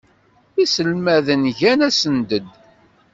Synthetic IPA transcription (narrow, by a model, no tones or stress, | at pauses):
isəlmæðənʝænæsənd̪əd̪